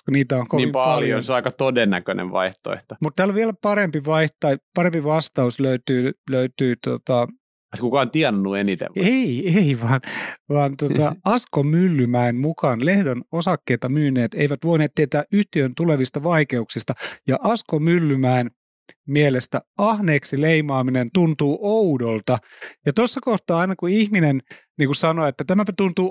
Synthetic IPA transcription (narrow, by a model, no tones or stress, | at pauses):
kuniːt̪æoŋkoniipɑljjonseɑˑikɑt̪odenːækønḛʋʋɑ̰iht̪o̰ḛht̪omut̪t̪æːloʋielæpɑɾempiʋɑiht̪ɑipɑrempiʋɑst̪ɑusløyt̪yːløyt̪yːt̪ot̪ɑ | skukɑont̪iɛnːuenit̪ḛʋeieiʋɑːnʋɑːnt̪ot̪ɑɑskomylːymæemmukɑːnlehdønosɑkːeːt̪ɑmyːnˑeːt̪eiʋæt̪ʋoineːt̪t̪ːiet̪æːʔyht̪iønt̪uleʋist̪ɑʋɑikeuksist̪ɑjɑʔɑskomylːymæen | mielest̪æɑhneːksileimɑːminent̪unt̪uːʔoudolt̪ɑjɑt̪osːɑkoht̪ɑːɑinɑkuihminen | niːŋkusɑnoet̪ːæt̪æmæpæt̪unt̪uː